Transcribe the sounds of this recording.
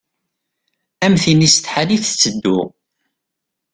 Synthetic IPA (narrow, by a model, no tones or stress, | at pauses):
æmθinist̪ħaniθə̥t͡sːəd̪ːʊ